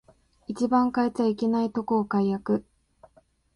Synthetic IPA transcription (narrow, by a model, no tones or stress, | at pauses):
it͡ɕibãŋkaet͡saike̞nait̪o̞ko̞ːkaijakɯ̟